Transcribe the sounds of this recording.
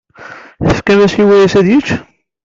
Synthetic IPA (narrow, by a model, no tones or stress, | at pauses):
θəfkæmæsiwæjæsæðjit͡ʃː